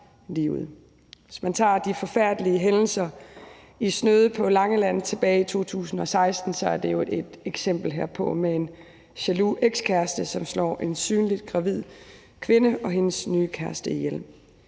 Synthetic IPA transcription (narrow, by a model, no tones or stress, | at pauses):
lḭːʊð̩ˠ | e̝smænt͡sʰɑ̰̈ːd̥ifɒ̽fæɐ̰d̥əliəɦenl̩sɐ | isnøð̞ˠəpʰɒ̽lɑ̈ŋəlæn̰ð̩ˠt͡sʰe̝b̥ɛːit͡sʰo̝̰ːt͡sʰṵːsn̩ɒ̽sɑ̈ɪsd̥n̩sɒ̽æɐd̥e̝jo̝ed̥eɡ̥sem̰b̥l̩ɦeɐ̰pʰɒ̽mee̝n | ɕæluʔeɡ̥skʰæɐsd̥əsɒ̽mslɒ̰ːʔe̝nsyːnlid̥̚ɡ̥ʁɑ̈ʋið̞̰ˠ | kʰʋe̝nəɒ̽ɦe̝nəsnyːkʰæɐsd̥əijel̰